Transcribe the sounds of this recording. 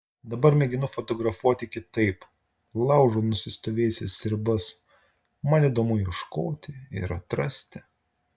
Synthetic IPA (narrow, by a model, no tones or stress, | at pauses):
d̪ɐbɐɾmʲɛɡʲɪnʊfɔt̪ɔɡɾɐfuɔt̪ʲɪkʲɪt̪ɐɪp | lˠɐʊʒonʊsʲɪst̪oːʋʲeːsʲɪssʲɪɾʲbɐs | mɐnʲid̪oːmʊɪʃkoːt̪ʲɪɪ̰ɾɐt̪ɾɐsʲt̪ʲɪ